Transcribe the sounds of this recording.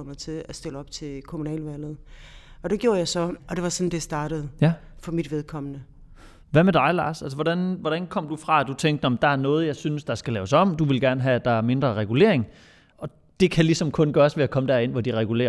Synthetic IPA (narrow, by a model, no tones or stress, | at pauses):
mt͡sʰe̝læsd̥e̝ləɒ̽b̥t͡sʰe̝kʰomunɛ̰ːlʋæl̰ð̩ˠɒ̽d̥eɡ̥jo̝ːɐjɑɪsɒ̽ɒ̽d̥e̝ʋɑ̈sɒ̽nd̥esd̥ɑ̈ːɾ̥əð̩ˠjæ | fɒ̽mid̥ʋeð̞ˠkʰɒ̽m̰ənə | ʋæmed̥ɑ̈ɪlɑ̰̈ːsæls̬əʋɒd̥ænʋɒɾ̥ænkʰɒ̽m̰d̥ufʁɑ̈æd̥ut͡sʰeŋ̰ɡd̥nɒmm̩d̥ɑ̈æɐnɔ̽ːð̞̩ˠjɑɪsynəsd̥ɑ̈sɡ̥ælɛːʊsɒ̽m̰d̥uʋe̝lɡ̥æɐnəɦæd̥ɑ̈æɐme̝nd̥ʁɐʁɛɡ̥ule̝̰ɐ̰e̝ŋ | ʔɒ̽ | d̥e̝kʰælisɒ̽mkʰɔ̽nɡ̥ɶːɐsʋe̝ækʰɒ̽məd̥æɐe̝n̰ʋɒd̥iʁɛɡ̥ule̝̰ːɐ